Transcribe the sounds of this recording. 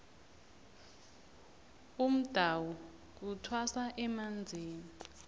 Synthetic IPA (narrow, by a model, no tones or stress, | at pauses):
um̩d̥ʱawɔ | k̬utʰwasaʔɛmand͡zʱiːni